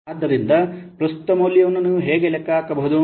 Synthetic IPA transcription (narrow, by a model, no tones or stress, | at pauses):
d̪ːɐɾind̪ɐpɾɐst̪u̥t̪ɐmoːljjɐʋɐnːɐnuɦeːɡelekaːkɐbɐɦud̪u